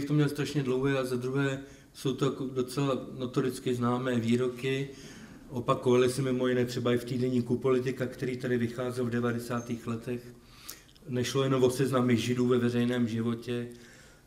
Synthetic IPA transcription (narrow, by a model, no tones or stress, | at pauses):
ft̪omɲɛlst̪ɾaʃɲɛdlo̞wɦɛːazad̪ɾuɦɛː | so̞wt̪ojakodo̞t͡sɛlanot̪olɪt͡skɪznaːmɛːviːɾo̞kɪ | ʔo̞pako̞valɪsɪmɪmo̞jɪnɛːt̪r̝̥ɛbaɪft̪iːdɛɲiːkupo̞lɪt̪ɪkakt̪ɛɾiːt̪adɪvɪxaːzɛlvdɛvadɛsaːt̪iːxlɛt̪ɛx | nɛʃlojɛnomvo̞sɛznamɪɣʒɪduːvɛvɛrɛjnɛːmʒɪvo̞cɛ